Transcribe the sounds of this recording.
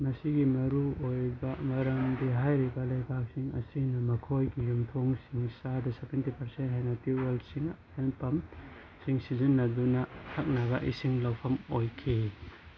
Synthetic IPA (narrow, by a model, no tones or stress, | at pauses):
mɐsiɡimɐɾuojbɐmɐɾɐmdiɦajɾibɐlɐjpak̚siŋɐ̰sinɐmɐkʰojɡijumtʰoŋsiŋsadɐsebentipɐɾsent̚ɦajnɐtuelsiŋhenpɐm | siŋsizunːɐdunɐtʰak̚naɡɐʔḭsiŋlɐwpʰɐmojkʰi